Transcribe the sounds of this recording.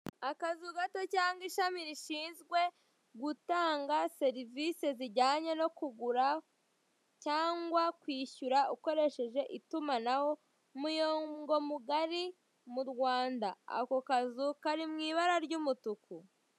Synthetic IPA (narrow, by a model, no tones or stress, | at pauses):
akazuɡato̞caːŋɡiʃamiɾiʃiːnzɡwe̞ | ɡutaːŋɡase̞ɾivise̞ziɟaːɲe̞no̞kuɡuɾa | caːŋɡwakwiːʃuɾauko̞ɾe̞ʃe̞ʒe̞ʔitumanaho̞ | mujoŋɡo̞muɡaɾi | muɾɡwaːndaa̰ko̞kazukaɾimŋiːβaɾaɾɟumutuku